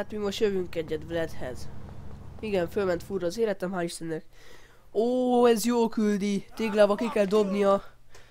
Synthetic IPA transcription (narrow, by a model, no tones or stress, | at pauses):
at̪mimoʃjøvyŋkɛɟːɛd̪vlɛt̪hɛ̰z̥ | iɡɛɱfølmɛnt̪furɒːzeːɾɛt̪ɛmɦaːliʃt̪ɛnːɛk | oːɛzjoːlkyld̪it̪eːɡlaːbɒkikɛld̪o̞bnijɒ